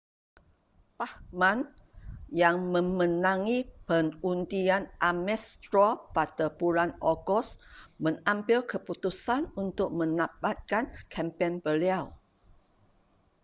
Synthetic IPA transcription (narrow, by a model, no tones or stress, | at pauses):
pahmãn | jaŋmə̃mə̃nãŋipənundianʔamɛst̪ɾopat̪əpulanɔɡɔsmə̃ŋambɪlkʰəput̪usanunt̪ʊk̚mə̃nabat̪̚kankʰɛmpɛnbəliaw